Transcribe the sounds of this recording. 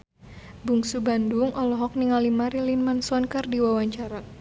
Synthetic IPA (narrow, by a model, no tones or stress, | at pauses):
buŋsubanduŋɔlɔɦɔk̚niŋalimaɾilinmansɔnkərdiwawaɲt͡ʃaɾa